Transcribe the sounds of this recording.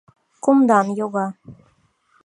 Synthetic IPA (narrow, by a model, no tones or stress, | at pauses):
kumd̪ɑnjoɣɑ